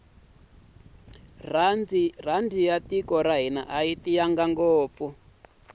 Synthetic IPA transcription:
rand͡zir̤andijatikɔɾaɦina̰ʔaitijaŋɡaŋɡoːp̪fu

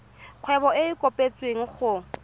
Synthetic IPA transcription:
q͡χʰwɛbɔeɪkʼopʼet͡sʼweŋ̩χʊ

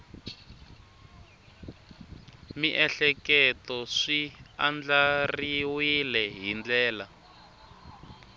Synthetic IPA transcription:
miʔɛɬɛkɛtɔʂiand͡ɮariwilɛɦind͡ɮɛːla

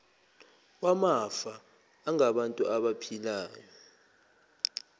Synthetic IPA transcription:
wamafaː | ŋaɓantʼuʔaɓapʰilaːjɔ

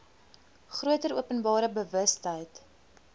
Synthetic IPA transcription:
χruətəɾuəpənbɑːɾəbəvəstɦəjt

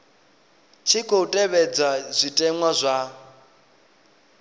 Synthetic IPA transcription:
t͡ʃʰikʰoutʼɛβɛd͡zaz̥ʷitʼɛŋwazʷa

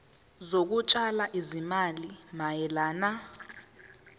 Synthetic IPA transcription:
zok̬ut͡ʃʼalaʔizimalimajɛlaːna

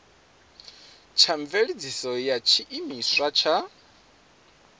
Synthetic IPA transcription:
t͡ʃʰaɱveɺid͡zisɔjat͡ʃʰiʔimiswat͡ʃʰa

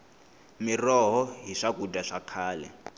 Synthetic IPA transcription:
mirɔɦɔɦiʂakudʱʼaʂakʰaːlɛ̰

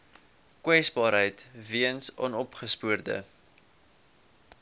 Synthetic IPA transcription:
kwɛsbɑːɾɦəjtviənsɑ̰nɔpχəspuərdə̰

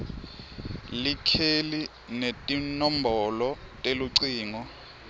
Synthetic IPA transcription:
likʰeli | netʼinɔm̩bʱɔlɔtʼeluǀiːŋɔ

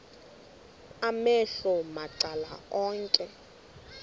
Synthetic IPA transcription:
amɛɬɔmaǀala̰ɔːŋkʼɛ

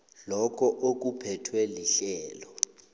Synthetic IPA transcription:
lɔkʰɔʔok̬upʰɛtʰweliɬɛːlɔ

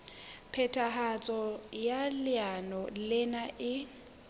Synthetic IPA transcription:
pʰɛtʰʼaɦat͡sʼɔjalɪanɔlɪnaʔɪ

